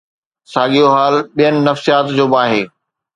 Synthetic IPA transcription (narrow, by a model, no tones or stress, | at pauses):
saːɠijoɦaːlɓijənɪ̆nɐfsijaːt̪d͡ʑoːbaːɦeː